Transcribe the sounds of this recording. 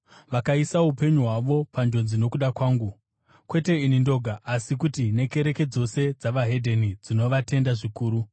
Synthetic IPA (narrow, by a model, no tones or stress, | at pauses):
ʋakaisaupe̞ɲuɦwaʋo̞pand͡ʒo̞nzino̞kuɗakwaːŋɡu | kwe̞te̞inindo̞ɡʱaʔːsikutine̞ke̞ɾe̞ke̞d͡zo̞se̞d͡zaʋaɦe̞dʱe̞nid͡zino̞ʋate̞ndaʐikuːɾu